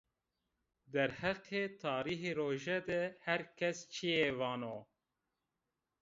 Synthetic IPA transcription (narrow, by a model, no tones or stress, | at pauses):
d̪ɛɾhɛqʰeːt̪ʰɑːɾiːɦeːɾoːʒɛd̪ɛhæɾkʰɛst͡ʃʰijevɑːnoː